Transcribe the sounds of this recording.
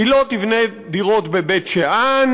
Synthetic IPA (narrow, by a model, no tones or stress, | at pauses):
ilot̪ivne | diʁo̞t̪bebetʃeʔan